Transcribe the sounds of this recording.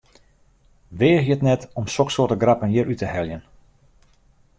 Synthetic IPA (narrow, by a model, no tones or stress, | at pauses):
ʋeːxjətnɛtɔmsoksoːtəɡrapənjɪɾʔytəhɛljən